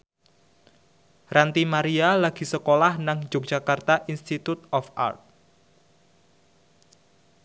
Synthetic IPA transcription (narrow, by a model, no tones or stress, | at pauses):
rant̪imaɾialaɡ̥i̤səkolahnaŋd͡ʒʊk̚d̥ʒ̥akart̪aʔinst̪it̪ut̪̚ɔfa̰rt̪̚